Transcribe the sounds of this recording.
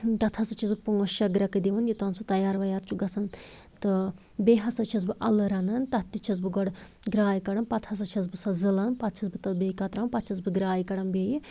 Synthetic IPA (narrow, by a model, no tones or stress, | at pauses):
t̪ɐt̪ʰɐsɨt͡ʃʰizbɨpuŋɡɐʃɐɡɾɐkɨd̪iʋɐnjit̪ɐnsut̪ɐjaːɾʋɐjaːɾt͡ʃʰuɡɐsɐn | t̪ɨ | beɦɐsɐt͡ʃʰɐs̬bɨʔɐlɨɾɐnɐnt̪ɐt̪ːit͡ʃʰɐz̬bɨɡɔɽɡɾaːjkɐɽɐnpɐt̪ʰɐs̬ɐt͡ʃʰɐzbɨsɐzɨlɐnpɐt̪̚ʰt͡ʃʰɐsbɨt̪ɐbiːkɐt̪ɾɐnpɐt͡ʃʰɐs̬bɨɡɾaːjkɐɽɐmbeːji